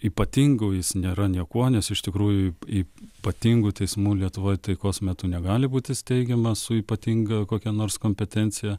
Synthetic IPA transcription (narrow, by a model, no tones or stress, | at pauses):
iːpɐt̪ʲiŋɡʊːjɪsnʲeːɾɐnʲiɛkuɔnʲɛsɪʃt̪ʲɪkɾuːjʊiiːpɐt̪ʲiŋɡʊt̪ʲɛɪsmuːlʲiɛt̪ʊʋoːjt̪ɐɪkoːsmʲɛt̪ʊnʲɛɡɑːlʲɪbuːt̪ʲɪsʲt̪ʲɛɪɡʲɛmɐsʊiːpɐt̪ʲiŋɡɐkoːkʲɛnoːrskoːmʲpʲɛt̪ʲɛnʲtt͡ssʲɪjɛ